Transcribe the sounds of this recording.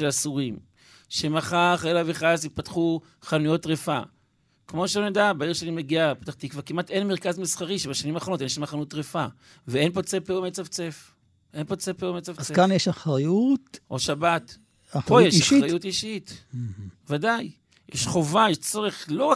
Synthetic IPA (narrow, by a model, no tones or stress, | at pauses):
elasuʁim | ʃemaχaχaelaviχasit̚pat̪χu | χanujo̞tʁefa | kmo̞ʃelonedabaiʁʃelimeɡiapt̪aχt̪ikvaʁkimatenmeʁkazmisχaʁiʃebaʃanimaːχo̞notnjʃamaχanuutʁefa | veenpot͡sepeumet͡savt͡sef | ʔenpot͡sepeumet͡savekanjeʃaχʁajutʔoʃabat | pojeʃaʃʁajutiʃit | vadaj | jɛʃχo̞vajeʃt͡soʁeχlo̞ʁa